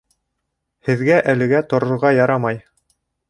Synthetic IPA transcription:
hɘ̆ðɡæʔælɘ̆ɡæt̪ŏɾŏɾʁɑjɑɾɑmɑj

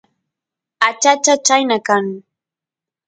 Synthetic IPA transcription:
at͡ʃat͡ʃat͡ʃajnakaŋ

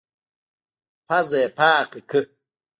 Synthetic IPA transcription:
pʰazɛːpʰaːkʼikʰɨ

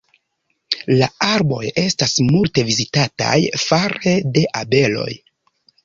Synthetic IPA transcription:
laaɾbo̞̰je̞stasmulte̞vizitata̰jfaɾede̞ʔabe̞lo̞̰j

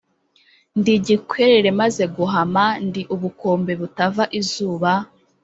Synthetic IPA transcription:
ndiɟikweɾeɾe̞maze̞ɡuɦamandiʔuβuko̞ːmbe̞βutavaʔizuːβa

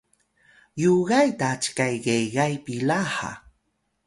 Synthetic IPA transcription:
joɢɑjt̪aːt͡ʃkajɢejɢɑjpɪlahɑ̰

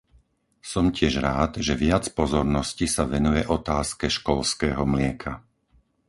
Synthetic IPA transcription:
sɔmcɪɛʒɾaːd̪ʒɛʋɪat͡spɔzɔɾnɔscisaʋɛnujɛʔɔt̪aːskɛʃkɔlskɛːɦɔmlɪɛkʰa

